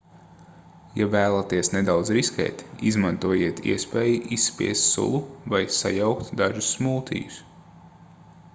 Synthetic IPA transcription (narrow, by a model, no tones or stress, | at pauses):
javæːlˠat̪iɛsnɛd̪awd̪zɾiskʲɛ̰ːt̪izmant̪uɔjiɛt̪ḭɛspeːjiʔisːpʲḭɛst̪sṵlˠuvajsa̰jawkt̪d̪aʒusmuːt̪ʰḭːjus